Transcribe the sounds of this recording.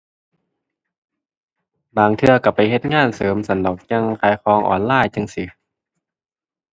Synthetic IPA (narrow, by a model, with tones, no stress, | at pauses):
baː˨˩ŋt̪ʰɯ˧ɐka˧˩pa˨jɦe˧t̪̚ŋaː˥˨nsɤː˨˦msa˧˦nlo˨˩k̚ɲa˧ŋkʰaː˨˦jkɔː˧ŋʔɔ̰ː˨˩nlaː˧˥˨jt͡ɕa˧ŋsi˧˦